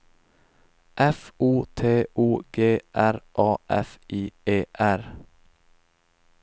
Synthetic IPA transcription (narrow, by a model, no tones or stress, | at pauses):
ʔɛfuːt̪ʰeːʔuːɡ̥eːʔæɾʔɑːʔɛ̰fʔiːeːʔæɾ